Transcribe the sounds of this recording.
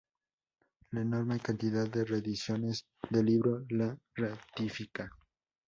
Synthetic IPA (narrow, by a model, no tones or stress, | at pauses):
laeno̞ɾme̞kant̪iðaðːere̞ðisjo̞ne̞z | ðe̞liβɾo̞larat̪ifika